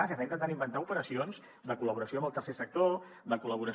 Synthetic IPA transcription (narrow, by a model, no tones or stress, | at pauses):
asiəst̪ainənt̪animbənt̪aupəɾəsionz | d̪əkuləβuɾəsioəmbəlˠt̪ərsesək̚t̪o | d̪əkuləβ̞uɾə